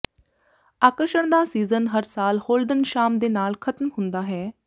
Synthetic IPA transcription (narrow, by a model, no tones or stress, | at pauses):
aːkɾʃəɳ̃d̪aːsiːzənɦəɾsaːlhoːlɖənʃaːmd̪eːnaːlkʰət̪əmhʊnd̪aːɦɛː